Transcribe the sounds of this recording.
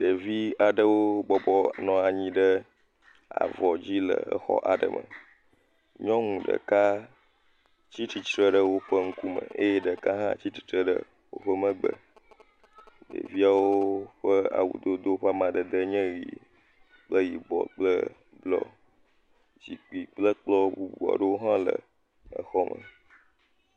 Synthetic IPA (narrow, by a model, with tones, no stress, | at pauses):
ɖə˨vi˦a˨ɖə˦wo˦bɔ˦bɔ˦nɔ̃˨a˨ɲĩ˦ɖə˦ | a̰˨vɔ˨d͡ʑi˦lə̰˨ə̰˦xɔ̰˦ʔa˨ɖə̰˨mʔə̰̃˨ | ɲɔ̃˦ŋũ˨ɖə̰˨ka˦ | t͡ɕi˦t̪i˨t͡ʃɾə˦ɖə˦wo˦ɸə˦ŋ̩˦ku˦mə̰̃˨e˦je˦ɖə˨ka˦ɦã̰˦t͡ɕi˦t̪i̥˨t̪ɾə˦ɖə̰˦ | wo̰˦ɸə˦mə̃˦ɡ͡bə̰˨ | ɖə̰˨vi˦a˨wo˦ɸə˦a̰˨wṵ˨d̪o˦d̪o˦wo˦ɸa˦mã˨ɖə˨d̪ə˦ɲɛ̃˦ɣḭ˨ | k͡plə˦ji˨bɔ˨k͡plə̰˦ | blɔ̰˦˨ | d͡ʑi˨k͡pi˨k͡plə˦k͡plɔ˦bu˦bu˨a̰˨ɖə˦wo˦ɦã˦lə˨ | ə˦xɔ˦mə˨